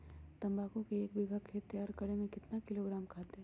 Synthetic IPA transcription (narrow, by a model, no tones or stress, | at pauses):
t̪ɐ̃mbaːkõkeeːk̚bɪɡʱakʰet̪ːejaːɾkɐɽemẽkɪt̪nakɪloːɡɾaːmkʰaːt̪ɦɛ̃